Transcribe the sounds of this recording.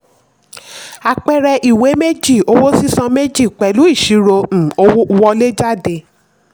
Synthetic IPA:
a˧˨k͡pɛ˧ɾɛ˧ʔi˨we˨˦me˦d͡ʒi˦˨o˨˧˦wo˦si˦sã˧me˦d͡ʒi˦˨k͡pɛ˨lu˨˦i˦˨ʃi˨˦ɾo˧m̩˨o˧wo˦u˧wɔ˧le˦d͡ʒa˦˨de˧

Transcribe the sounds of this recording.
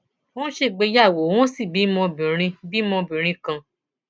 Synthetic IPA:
wɔ̃˦ʃe˦˨ɡ͡be˧˦ja˦˨wo˨˦w̃ɔ̃˦si˦˨bi˨˦mɔ̃˧bĩ˨ɾ̃ĩ˧bi˦mɔ̃˧bĩ˨ɾ̃ĩ˧kã˧

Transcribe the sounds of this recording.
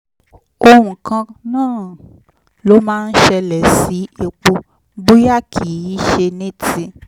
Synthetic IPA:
o˧hũ˨kã˧nãː˦˨ | lo˨˦mãː˦n̩˦ʃɛ˧lɛ˨si˨˦e˨k͡po˧ | ɡ͡bu˦ja˦kʰi˨i˦ʃe˧nẽ˦ti˧

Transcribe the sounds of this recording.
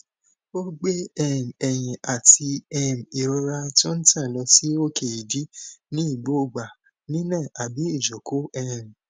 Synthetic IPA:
o˦ɡ͡be˦ɛ˦˨m˨ɛ˧j̃ɛ̃˨ʔa˨ti˧ɛ˦˨m̩˨i˨ɾo˧ɾa˧tũ˦n̩˦tã˦˨lɔ˧si˦o˦ke˦˨i˨di˨˦nĩ˦i˦˨ɡ͡bo˨˦˨ɡ͡ba˨ | nĩ˦nã˦˨a˨bi˨˦i˦˨d͡ʒo˨kʰo˦ɛ˦˨m˨

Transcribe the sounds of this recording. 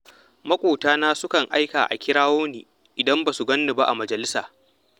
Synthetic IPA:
mɐ˦kʷʼoː˨taː˦naː˦sʊ˦kɐ˨ŋʔa˦jkaː˨ʔa̰˨kʲɪ˦ɽaː˦woː˦nḭː˨ | ʔɪ˨dɐ˦mbaː˨su˨ɡɐ˦nːʊ˨ba˦ʔa˨mɐ˨d͡ʒɐ˨lɪ˦saː˨

